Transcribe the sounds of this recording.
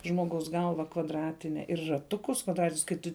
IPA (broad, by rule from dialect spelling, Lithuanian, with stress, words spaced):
ˌʒmoːˈɡɐʊs ˈɡɐlˠʋɐ kʋɐdˈrɑːtʲɪnʲɛ ɪr rɐˈtʊkʊs kʋɐdˈrɑːtʲɪnʲʊs kɐɪ ˈtʊ